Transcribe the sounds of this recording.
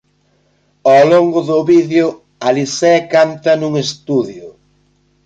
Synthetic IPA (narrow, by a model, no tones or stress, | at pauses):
aloŋɡʊðʊβiðjʊ | alisɛkant̪ɐnuŋest̪uðjʊ